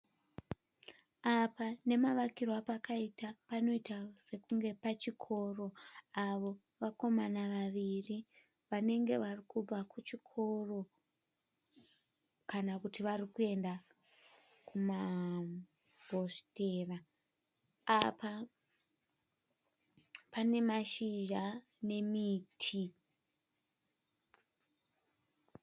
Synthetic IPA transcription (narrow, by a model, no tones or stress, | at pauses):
apane̞maʋakirwapakaitapano̞itase̞kuŋɡe̞pat͡ʃikʰo̞ːro̞aʋo̞ | ʋako̞manaʋaʋiri | ʋane̞ŋɡe̞ʋarikub͡vakut͡ʃikʰo̞ro̞ | kanakutiʋarikue̞nda | kuma | bʱo̞ste̞ːra | apa | pane̞maʃiʒa | ne̞miːtʰi